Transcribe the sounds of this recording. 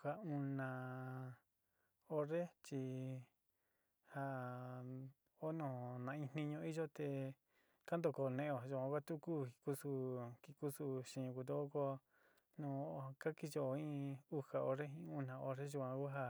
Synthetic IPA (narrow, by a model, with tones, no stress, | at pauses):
a˧u˧nã˨ | o˧ɾe˦t͡ʃi˧ | ha˧ | o˦nõː˨nã˧ĩ˧nĩ˧ɲõ˧˦i˦ʒo˦t̪e˧ | ka˦nd̪o˧˨ko˧˨˧nẽ˧ʔo˧˨ʒu˧kʷã˧kʷa˦t̪u˦ku˦˨i˧ku˦su˧ki˧ku˦su˧ʃĩ˧ku˧t̪̬o˧˦o˦ko˧ | nõ˧ka˦ki˦ʒo˧˨ĩ˦u˦ha˧o˧ɾe˦ĩ˧˦u˧nã˧o˧ɾe˦ʒu˧kʷã˧ku˦ɦa˧